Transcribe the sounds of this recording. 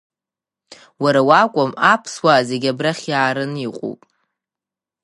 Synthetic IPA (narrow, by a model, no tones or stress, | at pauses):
waɾawakʷʼamapʰswaːze̞ɡʲabraχʲjaːɾɨniqʷʼṵpʼ